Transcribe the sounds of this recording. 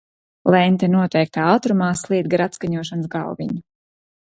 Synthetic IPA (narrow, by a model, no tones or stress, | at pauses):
lˠɛnt̪ɛnuɔt̪ɛjk̚t̪aːat̪ɾumaːslˠiɛd̪̚ɡaɾat̪skaɲuɔʃansɡɑ̰lvḭɲu